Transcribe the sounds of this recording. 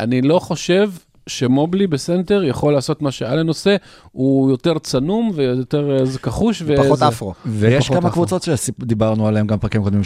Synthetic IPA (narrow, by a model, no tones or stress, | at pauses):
ʔanilo̞χo̞ʃe̞v | ʃe̞moblibese̞nte̞ʁjaχo̞lːaːso̞tmaʃe̞aleno̞se̞ | ujo̞te̞ʁt͡sanumvejojote̞ʁzekaχuʃveoafʁovejeʃkamakvut͡so̞tʃesid̪ibaʁnualemɡampʁakimkodmim